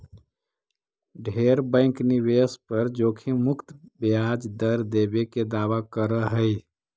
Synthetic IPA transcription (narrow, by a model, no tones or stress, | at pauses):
ɖʱeɾbə̃ɪkniβespəɾd͡ʒokʰimʊkt̪bad͡ʒd̪əɾd̪ebeked̪aʋakəɾəɦəj